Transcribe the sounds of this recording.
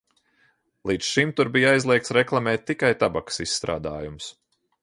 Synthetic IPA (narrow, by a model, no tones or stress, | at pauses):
lˠiːt̪sʃimt̪uɾbijajzlˠiɛk̚t̪sɾɛklˠamɛːt̪̚ʲːikajt̪abaksisːt̪ɾa̰ːd̪a̰ːjumʊs